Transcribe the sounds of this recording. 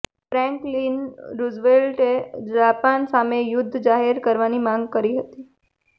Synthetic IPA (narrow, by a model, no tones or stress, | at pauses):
fɾɛ̃ŋklinɾuzʋelʈed͡ʒapansamejʊd̪ʱːd͡ʒaɦeɾkəɾʋanimãŋɡ̚kəɾiɦət̪i